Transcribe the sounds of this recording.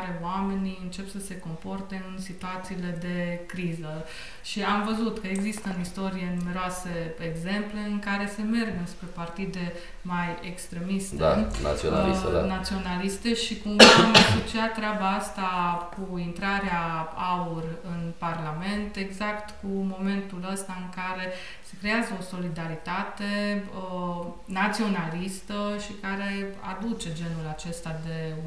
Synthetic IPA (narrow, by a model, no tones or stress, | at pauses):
ɾe̞oame̞niɨnt͡ʃe̞psəse̞ko̞mpo̞rt̪e̞ɨnsit̪uat̪siːle̞d̪e̞kɾizə | ʃiamvəzut̪kəeɡzist̪əɨnist̪o̞ɾije̞nume̞ɾoaseeɡze̞mple̞ɨŋkaɾe̞se̞me̞rɡɨnspɾe̞part̪id̪e̞ | majekst̪ɾe̞mist̪ea̰a̰solinat̪sio̞nalist̪e̞ʃikumamasot͡ʃiatt̪ːɾeabaast̪akuint̪ɾaɾeaaurɨnparlame̞nt̪e̞ɡzakt̪kumo̞me̞nt̪uləst̪aɨŋkaɾe̞ | se̞kɾe̞azəo̞so̞lid̪aɾit̪at̪e̞ə | nat̪sio̞nalist̪əʃikaɾe̞a̰d̪ut͡ʃe̞d͡ʒe̞nulat͡ʃe̞st̪ad̪e̞